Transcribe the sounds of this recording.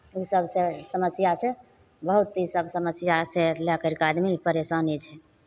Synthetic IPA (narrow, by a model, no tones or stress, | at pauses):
usəbʱsesəməsjase | bəɦut̪ːisəbsəməsjaselɛkəɾkad̪mipəɾesanit͡ʃʰɛ